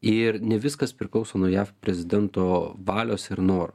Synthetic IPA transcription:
ɪɾnʲɛʋʲɪskɐspʲɾʲɪklˠɒʊsoːnuɔjæːfpʲɾʲɛzʲɪd̪ʲɛnt̪oːʋɑːlʲoːsɪɾnoːɾ

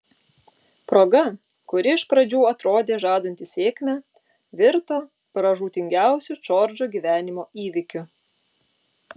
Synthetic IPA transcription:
pɾoːɡɐ | kʊɾʲɪɪʃpɾɐd͡ʒʲuːɐt̪ɾoːd̪ʲeːʒɑːd̪ɐnʲt̪ʲɪsʲeːkʲmʲɛ | ʋʲɪɾt̪oː | pɾɐʒuːt̪ʲɪŋʲɡʲæˑʊsʲʊt͡ʃoːɾʲd͡ʒoːɡʲiʋʲæːnʲɪmoːiːʋʲɪkʲʊ

